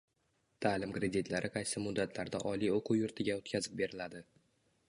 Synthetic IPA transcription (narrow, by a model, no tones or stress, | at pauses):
t̪ʰaːlɪmkɾe̞d̪it̪ʰlaɾʔɪqʰɑjsɪmʊd̪ːat̪ʰlaɾd̪aʔɒlijoqʰʊwjʊɾt̪ʰɪɡʲaot̪kʲʰazɪp̚be̞ɾɪlad̪ɪ